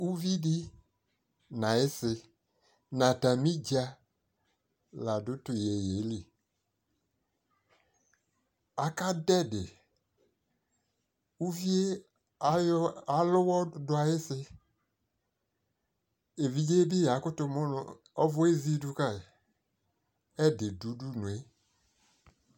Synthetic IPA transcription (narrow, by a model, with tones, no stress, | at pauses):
u˦vi˦di˦ | na˨ɪ˦sɪ˧ | na˨ta˨mi˦d͡ʒa˦ | la˨dʊ˦tʊ˨je˨je˨˦li˨ | a˨ka˦dɛ˦dɪ˨ | u˦vi˦e˦˨˦ | a˨lʊ˦wɔ˦dʊ˦a˨jɪ˦sɪ˦ | e˨vi˨d͡ʒe˦bɪ˦ja˨˦kʊ˦tʊ˧mʊ˦nʊ̰˨ | ɔ˦vʊ˦e˦zi˦du˧ka˦˨ | ɛ˦dɪ˨du˨˦du˦nu˨e˦